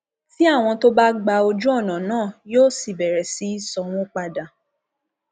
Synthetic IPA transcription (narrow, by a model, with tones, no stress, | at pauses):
ti˦a˦˨w̃ɔ̃˧to˦ba˦ɡ͡ba˧o˧d͡ʒu˦ɔ˦˨nã˨nãː˦˨joː˦si˦˨bɛ˨ɾɛ˨si˨˦˨sɔ˧w̃ɔ̃˦k͡pa˧dã˨